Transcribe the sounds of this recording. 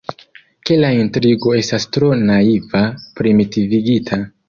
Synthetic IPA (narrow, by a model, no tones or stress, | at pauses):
ke̞laintɾiɡo̞e̞stastɾo̞naivapɾimitiviɡitʰa